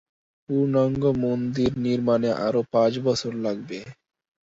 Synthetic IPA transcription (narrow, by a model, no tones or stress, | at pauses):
puɾnɔŋɡomond̪iɾniɾmaneʔa̰ɾopãt͡ɕbɔt͡ʃʰoɾlaɡ̚be